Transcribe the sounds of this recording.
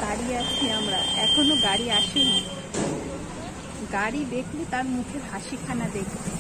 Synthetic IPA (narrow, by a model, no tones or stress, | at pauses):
ɡaɽiat͡ʃʰiamɾa̰ɛkʰonoɡaɽiaʃina | ɡaɽibeklit̪aɾmukʰebʱaʃikʰanad̪ekʰ